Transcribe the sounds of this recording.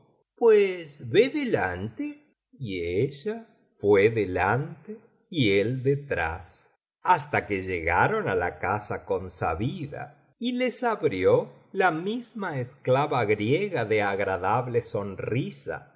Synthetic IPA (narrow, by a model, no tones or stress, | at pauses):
pwesβeðelant̪e | ieʒa | fweðelant̪e | ield̪et̪ɾa̰s | ast̪akeʒeɣa̰ɾo̞nalakasako̞nsa̰βiða̰ | ilesaβɾjo | lamizmaesklaβaɣɾjeɣaðeaɣɾaðaβleso̞nrisa̰